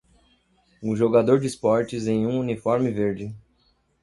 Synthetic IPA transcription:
ũʒoɡad̪oɾd͡ʒɪspɔɾt͡ʃɪzẽj̃ũunifɔɾmɪveɾd͡ʒɪ

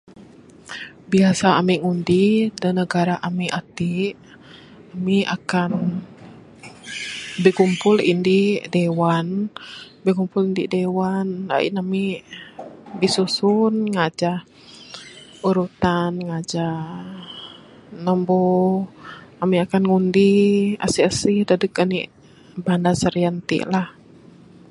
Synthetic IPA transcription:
biasaːmiŋundidənəɡaɾaʔamiʔat̪i | amia̰kan | bikumpʊlḭndidewan | bikumpulindidewana̰ḭnami | bisusunŋad͡ʒah | uɾut̪anŋad͡ʒa | nəmbɔ | amiakanŋundia̰siasihdadəkani | bandasəɾiant̪ḭʔlah

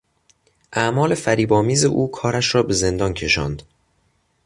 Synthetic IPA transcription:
ʔæmɒːle̞fæɾiːbɒːmiːze̞̰ʔuːkʰɒːɾæʃɾɒːbe̞ze̞nd̪ɒːncʰe̞ʃɒ̰ːnd̪̥

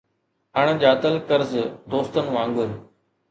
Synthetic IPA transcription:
ɦaːɳ̃ʄaːt̪əlkəɾzd̪oːst̪ənʋãːŋɡʊɾ

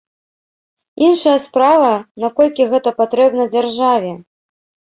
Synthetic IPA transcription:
inʂɐjɐspɾavɐnakɔlʲkʲiɣɛt̪ɐpat̪ɾɛbnɐd͡zʲarʐavʲɛ

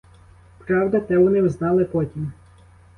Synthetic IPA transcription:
pɾɑwd̪ɐt̪ɛʋɔnɪwznɑlˠɪpɔtʲim

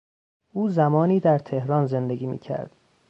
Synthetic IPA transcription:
ʔuːzæmɒːniːd̪æɾt̪ʰe̞hɾɒːnze̞nd̪eɡiːmḭːcʰæ̰ɾd̪̥

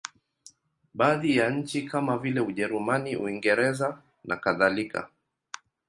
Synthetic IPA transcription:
ɓaːðijaɲ̩t͡ʃikʰamavilɛuʄɛɾumaniṵiŋɡɛɾɛza | nʔa̰kaðalika̰

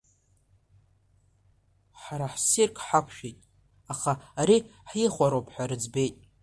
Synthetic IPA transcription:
ħaɾaħsirkʰʼħakʷʰʃᶣejtʼ | aχaːɾiħiχʷaɾowpʼʰħaɾɨd͡zbe̞jtʼ

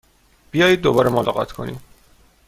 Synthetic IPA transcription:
b̥ijɒːjiːd̪̚ːobɒːɾemolɒ̰ɣɒ̰t̪ʰkʰo̞nḭd̪̥

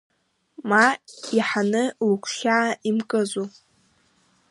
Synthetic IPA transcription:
maiħanɨlukʷʰʃaːʔimkʼɨzu

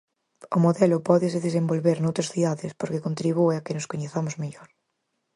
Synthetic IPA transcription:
omoðelopɔðeseðes̬embolβeɾnowt̪ɾasθiðaðespoɾkekont̪ɾiβ̞ueakenoskoɲeθamozmeʎoɾ

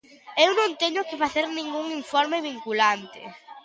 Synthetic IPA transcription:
ewnõnt̪eɲʊkɪfaθeɾnĩŋɡuŋiɱfɔɾmeβiŋkulant̪ɪ̰

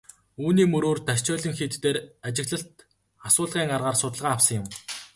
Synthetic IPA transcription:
uːniːmɵɾoːrt̪aʃt͡ɕɔːɮə̆ŋxet̪ːeːɾat͡ɕɪ̆ɣɮə̆ɬt̪ | asʊːɮʁiːŋarʁaːrsʊt̪ə̆ɮʁaːwsə̆ŋjɪ̆m

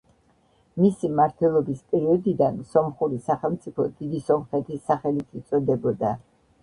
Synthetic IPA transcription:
misimaɾt̪ʰwɛlˠɔbispʼɛɾiɔd̪id̪ansɔmχuɾisaχɛlˠmt̪sʼipʰɔd̪id̪isɔmχɾɛt̪ʰisaχɛlit̪ʰit̪sʼɔd̪ɛbɔd̪a

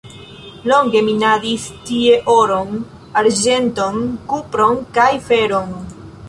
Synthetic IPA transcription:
lo̞ŋɡe̞minadistie̞ʔoɾo̞n | aɾd͡ʒe̞nto̞nkupɾo̞nkajfe̞ɾo̞n

